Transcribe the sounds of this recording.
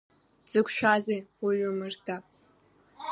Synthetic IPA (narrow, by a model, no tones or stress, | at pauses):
d͡z̥ɨkʷʰʼʃʷᶣazejwiɥʷʊmɨʐda